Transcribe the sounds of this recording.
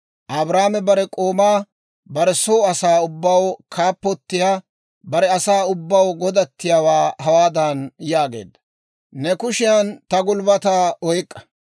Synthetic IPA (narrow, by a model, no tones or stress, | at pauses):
ʔɐbɾaːmɛbɐɾɛkʼoːmaː | bɐɾɛsoːɐsaːʊbːɐwkʰaːpːɔt̪ːɪjaː | bɐɾɛɐsaːʊbːɐwɡɔd̪ɐt̪ːɪjawaːhɐwaːd̪ɐnjaːɡe̞̰ːd̪ːɐ | nɛkʊʃɪjɐnt̪ɐɡʊlbɐt̪aːʔɔjkʼːɐ̥